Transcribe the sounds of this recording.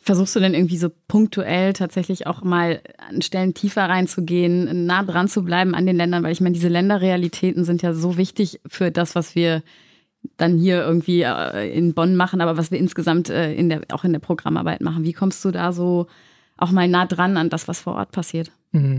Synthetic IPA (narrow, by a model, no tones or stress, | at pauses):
fɛɐzuːxstd̥uːdɛnʔɪɐɡŋ̩tv̥iːzoːpʰʊŋk̚tʰuʔɛltʰaːtz̥ɛçlɪça̰ʊxmaːla̰nʃtɛləntʰiːfɐʁaɪnt͡suɡeːənːaːdʁant͡sublaɪbm̩ʔa̰ndeːnlɛndɐnvaɪlɪçmaɪnədiːzəlɛndɐʁealitʰɛːtn̩zɪntjaːzoːvɪçtɪçfyːɐdasv̥asv̥iːɐ | d̥anhiːɐʔɪɐɡŋ̩tv̥ḭːɛ̰ɪ̰nbɔnmaχn̩ʔaːbɐvasv̥iːɐʔɪnsɡ̥əzamtʔɛːʔɪ̰ndeːɐa̰ʊxɪndeːɐpʁ̥oɡʁa̰mʔa̰ɐba̰ɪtmaχn̩viːkʰɔmstd̥uːdaːzoː | ʔaʊxmaːlnaːdʁanandasv̥asfoːɐʔɔ̰ɐt̚pʰasiːɐt